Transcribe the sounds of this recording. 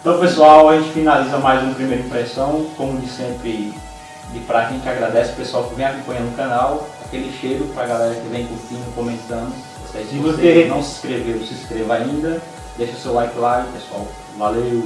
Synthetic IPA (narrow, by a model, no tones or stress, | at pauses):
t̪ɐ̃w̃pesuawaʒẽt͡ʃɪ̥finalizɐmajzũɐpɾimejɾɐĩpɾɛsɐ̃w̃kõmʊd͡ʒɪsẽmpɾɪ | d͡ʒɪpɾakẽt͡ʃɪaɡɾad̪ɛsɪʊ̥pesuawkɪvẽj̃akõpɐ̃ɲ̃ɐ̃d̪ʊʊkɐ̃nawakelɪʃejɾʊpɾɐɡalɛɾɐkɪvẽj̃kũtĩɲʊkõmẽnt̪ɐ̃nd̪ʊ | osɛsivosenɐ̃w̃sɪ̥skɾevewsɪskɾevɐaĩnd̪ɐ | d̪eʃɐʊsewlajkɪlapesua̰w | valew